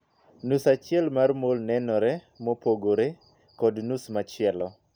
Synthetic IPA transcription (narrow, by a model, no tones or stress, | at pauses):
nusat͡ʃɪɛlmarmolnɛnɔɾɛ | mɔpoɡoɾe | kɔdnusmat͡ʃɪɛlɔ